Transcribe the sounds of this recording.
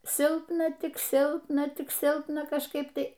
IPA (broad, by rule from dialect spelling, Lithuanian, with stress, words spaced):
ˈsʲɪlˠpnɐ ˈtʲɪk ˈsʲɪlˠpnɐ ˈtʲɪk ˈsʲɪlˠpnɐ kɐʃˈkɐɪp ˈtɐɪ